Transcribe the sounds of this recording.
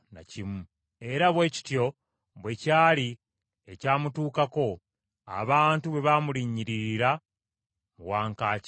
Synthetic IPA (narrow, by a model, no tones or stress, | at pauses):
na̰cimu | e̞ɾaβwe̞ːci̥tjo̞ | βwe̞caːli | ecaːmutuːkako̞ | a̰βaːntuβe̞βamuliɲiɾiɾiɾa | muwaːŋkaːc